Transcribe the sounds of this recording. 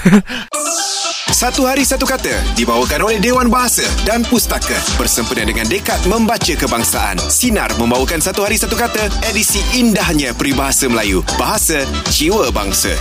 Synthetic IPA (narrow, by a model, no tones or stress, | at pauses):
sat̪uɦaɾisat̪ukat̪ədibawəkanolɛhdewanbaɦasədanpust̪akabərsəmpənãdəŋãndəkat̪̚mə̃mbat͡ʃəkəbaŋsa̰ʔa̰nsina̰rmə̃mbawəkansat̪uɦaɾisat̪ukat̪əedisiʔːndahɲãpɾibaɦasəməlajub̥aɦasa | t͡ʃiwəba̰ŋsə̰